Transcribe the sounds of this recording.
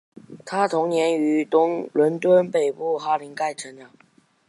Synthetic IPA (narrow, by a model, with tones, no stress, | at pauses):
t̪ʰa˥t̪ʰʊ˧˥ŋnjɛ˧˥ny˧˥t̪ʊ˥ŋlwə˧˥nt̪wə˥npe˨˩ɪpu˥˩xa˥li˧˥ŋka˥˩ɪʈ͡ʂʰə˧˥nlja˨˩˦ŋ